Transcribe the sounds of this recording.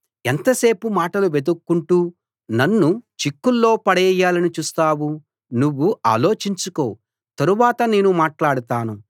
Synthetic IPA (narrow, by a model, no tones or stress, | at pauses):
ent̪ɐse̞ːpumaːʈɐluʋe̞d̪ukːuɳʈuː | nɐnːut͡ʃikːulːo̞ːpɐɽɛːjːaːlɐnit͡ʃuːst̪aːwu | nuʋːua̰ːlo̞ːt͡ʃiɲt͡ʃuko̞ː | t̪ɐɾuʋaːt̪ɐne̞ːnumaːʈlaːɽut̪aːnu